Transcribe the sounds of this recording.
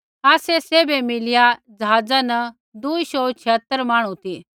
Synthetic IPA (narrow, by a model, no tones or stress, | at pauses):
aːseseːbemɪlɪjad͡ʒɐɦaːd͡zanɐ | d̪uisoːt͡ʃʰɪɦət̪ːəɾmaːɽ̃ũt̪iː